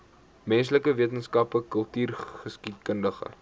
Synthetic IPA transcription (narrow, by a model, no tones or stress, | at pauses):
mɛnsləkəviət̬ənskɐpəkəlˠtyːrχəskit̚kəndəχə̰